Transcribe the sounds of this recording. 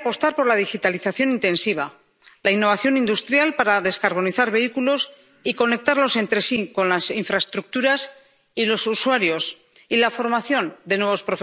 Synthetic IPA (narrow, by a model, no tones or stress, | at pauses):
po̞st̪aɾpo̞ɾlaðixit̪aliθaθjo̞nĩnt̪e̞nsiβ̞a | lainːo̞β̞aθjo̞nĩnd̪ust̪ɾjalpaɾaðe̞skaɾβ̞o̞niθaɾβe̞ikulo̞s | iko̞ne̞k̚t̪aɾlo̞se̞nt̪ɾe̞siko̞nlasiɱfɾaest̪ɾuk̚t̪uɾas | ilo̞suswaɾjo̞s | ilafo̞ɾmaθjo̞nd̪e̞nwe̞β̞o̞spɾof